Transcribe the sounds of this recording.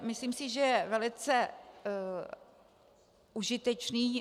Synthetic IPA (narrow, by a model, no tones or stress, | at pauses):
mɪsliːmsɪʒɛjɛvɛlɪt͡sɛ | ʔuʒɪt̪ɛt͡ʃniː